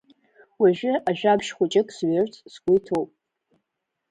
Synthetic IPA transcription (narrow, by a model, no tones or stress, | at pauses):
waʒᶣɪʔaʒᶣabʃχʷʊt͡ʃʼɪkʼsɥɪrtʰsɡʷʊjtʰowpʼ